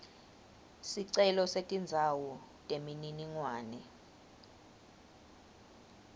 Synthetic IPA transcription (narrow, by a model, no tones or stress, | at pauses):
siǀɛlɔsetʼind͡zʱawɔtʼemininiŋwaːnɛ